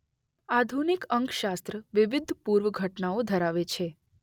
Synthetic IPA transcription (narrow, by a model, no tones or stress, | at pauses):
ad̪ʱunikəŋkʃast̪ɾəʋɪʋɪd̪ʱpuɾʋəɡʱəʈnaod̪ʱəɾaʋet͡ʃʰe